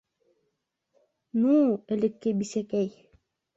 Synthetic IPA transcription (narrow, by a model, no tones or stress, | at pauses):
nũːelekːebisekɛj